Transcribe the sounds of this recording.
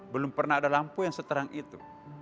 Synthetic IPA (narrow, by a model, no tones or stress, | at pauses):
bəlʊmpərnahadalampujaŋsət̪əɾaŋʔit̪u